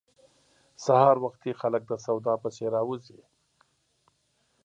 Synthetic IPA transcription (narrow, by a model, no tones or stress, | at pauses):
sahɑːɾwɐxt̪ʰixalək̚d̪əsawd̪ɑːpəseɾɑːwuzi